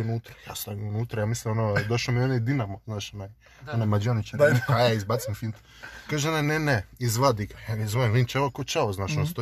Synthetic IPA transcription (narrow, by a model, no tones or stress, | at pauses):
unuːt̪ɾḁjast̪aʋunuːt̪ɾajamislimonod̪oʃomionaid̪inamoznaːʃonaj | onajmad͡ʒonit͡ʃahajaizbat̪simfint̪ | kaːʒeonajneneizʋad̪iɡajanezoemʋint͡ʃaʋokot͡ʃaʋoznaːʃonost̪o